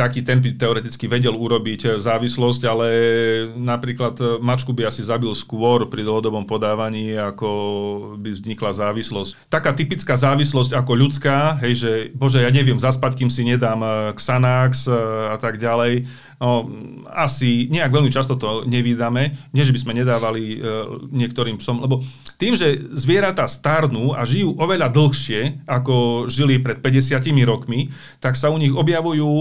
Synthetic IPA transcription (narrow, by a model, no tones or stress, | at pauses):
t̪akiːt̪ɛnbit̪ɛɔɾɛt̪it͡skiʋɛɟɛluɾɔbiczaːʋislɔscalɛ | napɾiːklad̪mat͡ʃkubiasizabilskʋɔɾpɾid̪l̩ɦɔd̪ɔbɔmpɔd̪aːʋaɲiːakɔbivzɲiklazaːʋislɔsct̪akaːt̪ipit͡skaːzaːʋislɔscakɔʎut͡skaːɦɛjʒɛbɔʒɛjaːɲɛʋɪɛmzaspackiːmsiɲɛd̪aːmksanaksat̪aɡɟalɛj | nɔ | asiɲɛaɡʋɛʎmit͡ʃast̪ɔt̪ɔɲɛʋid̪amɛɲɛʒɛbismɛɲɛd̪aːʋaliɲɪɛk̚t̪ɔɾiːmpsɔmlɛbɔt̪iːmʒɛzʋɪɛɾat̪ast̪aɾnuːʔa̰ʒijuːʔɔʋɛʎad̪l̩ˠxʃɪɛakɔʒilipɾɛt̪̚pɛɟɛsɪacimiɾɔkmi | t̪aksauɲiɣɔbjaʋujuː